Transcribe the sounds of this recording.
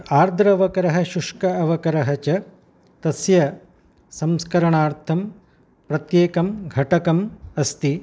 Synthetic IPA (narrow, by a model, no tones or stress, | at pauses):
aːɾd̪ʱɾɐʋɐkɐɾɐɦɐ̆ʃuʂkɐɐʋɐkɐɾɐɦɐt͡ʃɐ | t̪ɐsjɐ | sɐmskɐɾɐɳaːɾt̪ʰɐm | pɾɐt̪jeːkɐmɡʱɐʈɐkɐmɐst̪i